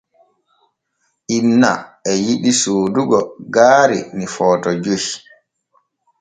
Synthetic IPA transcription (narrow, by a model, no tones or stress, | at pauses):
ʔinːa̰ʔɛjiɗisuːduɡɔɡaːɾḭnifɔːtɔd͡ʒohi